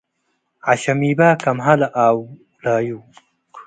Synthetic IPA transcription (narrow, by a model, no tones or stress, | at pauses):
ʕaɕɐmiːbaːkɐmɦalaʔaːw | laːju